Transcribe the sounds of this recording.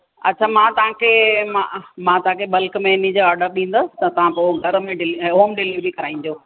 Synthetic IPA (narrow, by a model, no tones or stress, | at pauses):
ɐ̰tːt͡ɕʰaːmãːt̪ɐʋãkʰeːmã̰mãt̪ɐɦãkʰeɓɐlkmẽɪnid͡ʑoaːɾɖəɾɗĩːn̆d̪əsɪ̥̆t̪ɐt̪ɐʋ̤ãpoɡʱɐɾmẽɖɪlɦoːmɖɪliʋbikɐɾaːĩːnd͡ʑoː